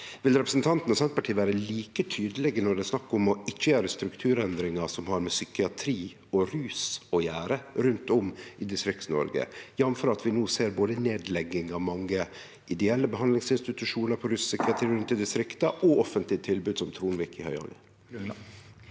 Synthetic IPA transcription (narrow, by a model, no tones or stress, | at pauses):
ʋɪlɾɛpɾəsn̩t̪ʰɑnt̪nɔsɛnt̪pɑʈʰiːʋæːɾəliːkət̪ʰyːd̪əlɛɡənɔɖ̪ɛsnɑkːɔmɔɪt͡ʃːəjæːɾəst̪ɾʉkt̪ʰʉːɾɛnd̪ɾɪŋɑsɔmhɑɾmɛsʏkɪɑt̪ʰɾiː | ɔɾʉːsɔjæːɾəɾʉnt̪ɔmʔɪd̪ɪst̪ɾɪkt̪n̩ɔ̰ɾɡə̰jɑmfɔɾɑt̪ʋɪnuːseːɾboːd̪əneːd̪lɛɡːɪŋɑʋmɑŋːə | ʔɪd̪ɛɛlːəbəɦɑnd̪lɪŋsɪnst̪ɪt̪ʉʂuːnəɾpʰɔɾʉːssʏkɪɑt̪ʰɾiːɾʉnt̪ɪd̪ɪst̪ɾɪkt̪ɑʔɔɔfənt̪lɪət̪ʰɪlbʉːd̪sɔmt̪ʰɾuːnʋiːkɪhœ̰ʏhɑ̰ːɡə̰